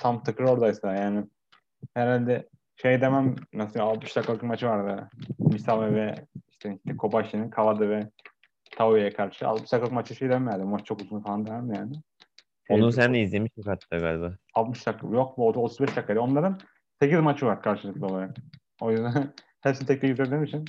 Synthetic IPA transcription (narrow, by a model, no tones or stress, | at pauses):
t̪ʰamt̪ʰɯkʰɯɾo̞ɾd̪aisɯajaːnɪ | heɾalʲd̪ɛ | ʃejd̪e̞mæmnasɯaalt̪mɯʃd̪akːalˠkmat͡ʃʰɯvaɾd̪ɯmisavɛvɛiʃt̪ʰɛiʃt̪ʰɛkʰo̞baʃinɯkʰavad̪ɯvɛ | t̪ʰauejɛkʰaɾʃɯa̰lt̪mɯʃd̪akʰːaɯkmat͡ʃʰɯʃejd̪emæmjæɾd̪ibumat͡ʃt͡ʃʰo̞kuzt̪unufalˠand̪emæmjaːnɪ | onuns̬ænd̪ɛizlʲemiʃjokat̪ʰːɯɡalʲbaalt̪mɯʃd̪akʰːajo̞k̚muod̪ot̪ʰuzbɛʃld̪akʰːajd̪io̞nlˠaɾɯn | secizmat͡ʃʰɯvaɾkʰaɾʃɯlˠɯklˠaolˠaɾak̚ | o̞jyzd̪æn | hæɾsint̪ʰɛct̪iyzʰyɾd̪emit͡ʃʰin